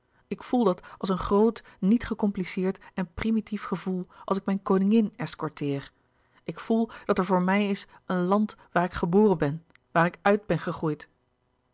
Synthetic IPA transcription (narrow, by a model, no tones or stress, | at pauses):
ɪkfulˠdɑtɑlˠsənχrowtnitχəkɔmplisɪːɹtɛnprimitifχəvulˠʔɑ̰lˠsɪkmɛjnkownɪŋɪnɛskɔɹtɪːr | ɪkfulˠd̥ɑtɛɹvʊːɹmɛjɪs | ənlɑntʋaːɹɪkχəboːrənbɛn | ʋaːɾɪkœɥd̚bɛnχəχrujt